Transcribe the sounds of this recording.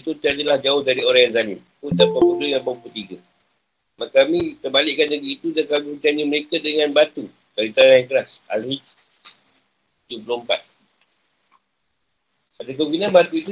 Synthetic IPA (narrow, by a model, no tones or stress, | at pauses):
it̪ut̪iadalahd͡ʒaʊhdaɾioɾãjanzanint̪ut̪apəbuləjaŋbəput̪iɡə | makamit̪əbalɪʔkandəɡiːt̪udakamiət͡ʃanĩməɾekadəŋãnbat̪u | d̥aɾit̪aɾajaŋkəɾasa̰lhid͡ʒ | ud͡ʒuəpluəmpa̰t̪̚ | adak̬əɡinãnbat̪uit̪u